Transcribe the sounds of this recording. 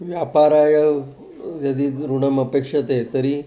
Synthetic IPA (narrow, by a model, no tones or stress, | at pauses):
ʋjapaɾajə | jəd̪iːɾuɽəməpekʂət̪et̪əɾiː